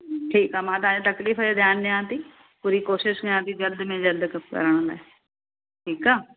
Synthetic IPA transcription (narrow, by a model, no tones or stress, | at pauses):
ʈʰiːkaːmãːt̪aːd͡ʒãːt̪əkliːfʰad͡ʒeːd̪jaːnːeãːt̪iː | puːɾiːkoːʃɪʃnejãːt̪iːd͡ʒəld̪mẽːd͡ʒəld̪kə̰ɾəɳ̃d̪ɛː | ʈʰiːkaː